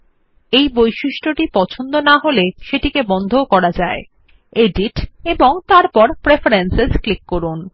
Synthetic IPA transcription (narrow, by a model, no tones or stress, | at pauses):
ejbojʃiʃʈɾoʈipɔt͡ɕʰond̪onaɦoleʃeʈikebɔnd̪ʱokɔɾad͡ʑae | eɖiʈeboŋt̪aɾpɔɾpɾefaɾensesklikːoɾun